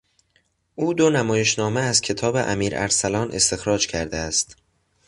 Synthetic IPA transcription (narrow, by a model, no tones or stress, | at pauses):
ʔuːd̪o̞næmɒːje̞ʃnɒːmeæzcʰe̞t̪ʰɒːbe̞̰ʔæmiːɾæ̰ɾsælɒːnʔe̞st̪e̞xɾɒːd͡ʒcʰæɾd̪eæst̪